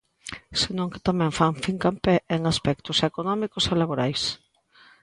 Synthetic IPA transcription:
senõŋke̥t̪amɛ̃ɱfaɱfiŋkampeeŋaspɛkt̪ʊsekonɔmikʊselaβoɾajs

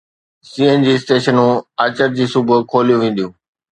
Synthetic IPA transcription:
siːend͡ʑiːsʈeːʃənũːɐt͡ɕəɾd͡ʑiːsʊbʊkʰoːlijũʋẽːn̆d̪ijũː

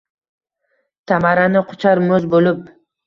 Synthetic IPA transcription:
t̪ʰamaɾanɪqʰʊ̥t͡ʃʰaɾmɵzbolɪp̚

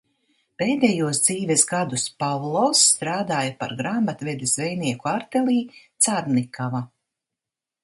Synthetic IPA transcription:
peːd̪ɛjuɔsd̪ziːvɛsɡad̪uspavlˠɔsːt̪ɾaːd̪aːjapa̰ɾɡɾamːat̪vɛd̪esvɛjniɛkuaɾt̪eliːt̪saɾnikava

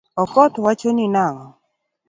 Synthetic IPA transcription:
ɔkɔt̪wat͡ʃonɪnaŋɔ

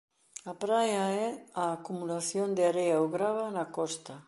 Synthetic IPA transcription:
apɾajaɛaːkumulaθjond̪eaɾejaoɣɾaβanakɔst̪ɐ

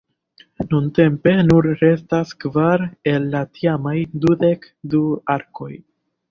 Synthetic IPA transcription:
nunte̞mpe̞nuɾɾe̞staskvaɾe̞lːatʰiamajdude̞k | duaɾko̞j

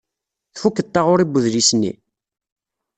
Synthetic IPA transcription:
θfukːət̪ˤːɑʁʊɾibəðlisnːḭ

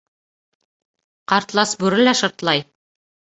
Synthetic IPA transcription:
qɑɾt̪lˠɑsbʉɾɘ̆læʃɤ̆ɾt̪lˠɑj

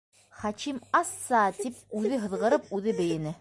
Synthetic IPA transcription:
χɑkimɑsːɑt̪ip̚ʉðɘɦɤ̆ðʁɤ̆ɾɤpʉðɘbɘ̆jɘ̆nɘ

